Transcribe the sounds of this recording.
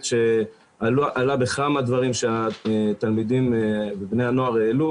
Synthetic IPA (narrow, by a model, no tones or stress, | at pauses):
ʃe | aʔalabekamad̪vaʁimʃeat̪almid̪imbebnehano̞aʁeːlu